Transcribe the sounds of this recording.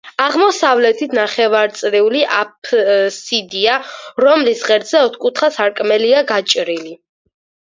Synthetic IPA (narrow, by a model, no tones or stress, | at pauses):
aʁmɔsavlɛt̪ʰit̪ʰnaχɛvaɾt̪sʼɾiuliʔapʰsid̪iaɾɔmlisʁɛɾt̪zɛɔt̪ʰkʼut̪ʰχasaɾkʼmɛliaɡat͡ʃʼɾili